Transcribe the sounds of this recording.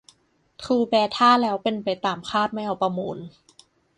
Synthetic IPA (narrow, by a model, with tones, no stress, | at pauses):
t̪ʰuː˧bɛː˧t̪ʰaː˥˩lɛː˦˥wpe˧npa˧jt̪aː˨˩mkʰaː˥˩t̪̚ma˥˩jʔa˧˩wpɾa˧muː˧˩n